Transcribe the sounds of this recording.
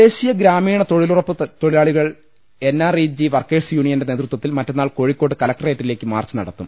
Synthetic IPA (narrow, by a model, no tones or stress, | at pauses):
e̞ːɕijɐɡɾaːmiːɳɐt̪o̞ɻilurɐpːɨt̪o̞ɻilaːɭiɣɐɭ | e̞nːaːriːd͡ʑiʋɐrkeːɖsjuːɳijɐnde̞ne̞ːt̪rut̪wʋɐt̪ːilmɐtːenːaːɭko̞ːɻikʲːo̞ːʈ̬ːɨkɐlɐk̚ʈɐreːtːile̞ːkːɨma̰ːrt͡ɕːɨnɐ̰ɽɐt̪ːum